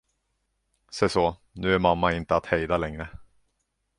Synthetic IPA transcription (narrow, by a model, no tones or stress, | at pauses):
sɛjsɔ | nʉ̟ːæɾmamːaɪnt̪əat̪hɛjd̪alɛŋɾə